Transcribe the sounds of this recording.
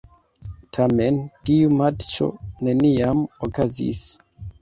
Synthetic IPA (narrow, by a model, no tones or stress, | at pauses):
tʰame̞ntiumat͡ʃo̞̰ne̞niamokazḭs